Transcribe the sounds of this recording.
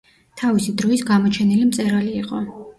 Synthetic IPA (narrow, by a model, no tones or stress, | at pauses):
t̪ʰavisid̪ɾɔisɡamɔt͡ʃʰɛnilimt̪sʼɛɾaliːqʼɔ